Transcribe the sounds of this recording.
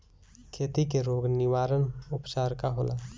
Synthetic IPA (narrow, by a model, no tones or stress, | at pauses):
kʰeːt̪ikeɾoːɡnɪʋaːɾənʊpt͡ʃaːɾkaɦoːlʔaː